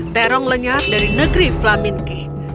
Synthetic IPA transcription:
t̪ɛɾɔŋləɲat̪̚daɾinəɡɾiflamɪnkɪh

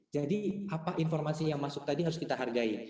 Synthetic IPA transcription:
d͡ʒadiapaʔinfɔrmasijaŋmasʊk̚t̪adiɦaɾʊskit̪aɦarɡai

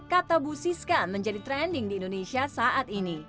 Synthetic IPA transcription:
kat̪abusiskaməɲd͡ʒadit̪ɾɛndɪŋdiːndonesiasaʔat̪ini

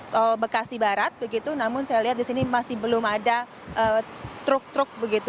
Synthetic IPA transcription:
t̪ɔbəkasibaɾat̪̚bəɡit̪unamʊnsajaliɦat̪̚disinimasɪhbəlʊmada | ʔət̪ɾʊk̚t̪ɾʊk̚bəɡit̪u

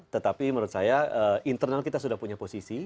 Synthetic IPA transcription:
t̪ət̪apiməɾut̪̚sajaəːint̪ərnalkit̪asudahpuɲaposisi

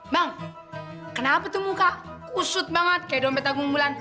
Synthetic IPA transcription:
baŋ | kənapat̪umukakusʊt̪̚baŋat̪̚kajdɔmpɛt̪aɡuŋbulan

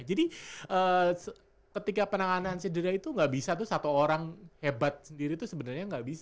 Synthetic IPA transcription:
d͡ʒadiʔəː | kət̪ikapənaŋanansədəɾait̪uŋɡaʔbisat̪usat̪uoɾaŋhebat̪̚səndiɾit̪usəbənərɲaŋɡaʔbis

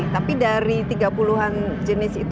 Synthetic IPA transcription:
t̪apidaɾit̪iɡapuluɦan | d͡ʒənɪsit̪

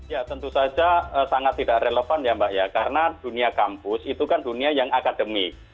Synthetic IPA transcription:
jat̪ənt̪usad͡ʒaəsaŋat̪ːidaʔreləfanjambaʔjakaɾənad̥uniakampʊsit̪ukanduniajaŋakadəmɪk̚

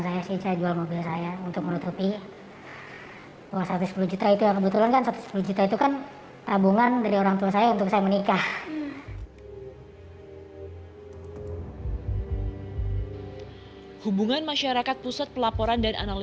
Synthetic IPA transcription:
nsajasisajad͡ʒualmobilsajaunt̪ʊk̚mənut̪upi | t̪uasɾat̪usə̥puluhd͡ʒut̪ait̪ujakəbət̪ulankansat̪u̥sə̥pulud͡ʒut̪ait̪ukan | t̪abuŋandaɾioɾaŋt̪uasajaunt̪ʊksajamənikah | hubuŋanmaʃaɾakat̪̚pusat̪̚pəlapoɾandana̰nal

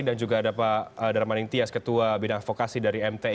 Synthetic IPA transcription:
dand͡ʒuɡaːdapaədaɾamanɪŋt̪iaskət̪uabinaŋfokasidaɾiɛmt̪e

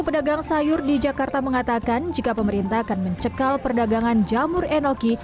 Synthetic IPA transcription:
pədaɡaŋsajʊrdid͡ʒakart̪aməŋat̪akand͡ʒikapəməɾint̪akanməɲt͡ʃəkalpərdaɡaŋand͡ʒamʊrɛnoki

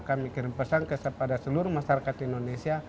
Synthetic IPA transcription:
kamikiɾinpəsaŋkəsəpadasəluɾumasaɾakat̪indonesia

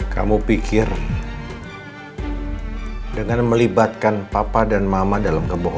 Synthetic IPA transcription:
ka̰mupikɪr | dəŋanməlibat̪̚kanpapadanmamadalamkəboɦɔ

